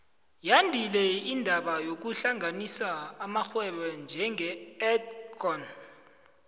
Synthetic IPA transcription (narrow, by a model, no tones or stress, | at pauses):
jandʱilɛindʱaɓajok̬uɬaŋʱanisaːmaxwɛɓɛnd͡ʒʱɛŋɛɛtkʰɔn